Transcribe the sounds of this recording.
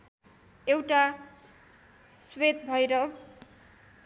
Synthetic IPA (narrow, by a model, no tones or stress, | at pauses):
ewʈa | swet̪bʱʌjɾʌ